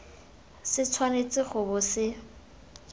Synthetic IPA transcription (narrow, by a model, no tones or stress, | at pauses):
sɪt͡sʰwanet͡sʼɪχʊbʊsɪ